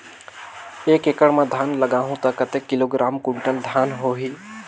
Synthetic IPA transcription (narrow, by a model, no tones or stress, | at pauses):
eːkekəɽmãd̪ʱaːnləɡaːɦũt̪ɔkːət̪ekːɪloɡɾaːmkʊɳʈəld̪ʱaːnɦoɦiː